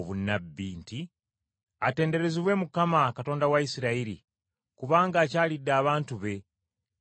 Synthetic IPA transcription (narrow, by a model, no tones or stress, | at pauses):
βunːabːiːnti | ate̞ːnde̞ɾe̞ziβwe̞ːmukamakato̞ːndawaisiɾaiɾḭ | kuβaːŋɡaːcaːlidːaːβaːntuβe̞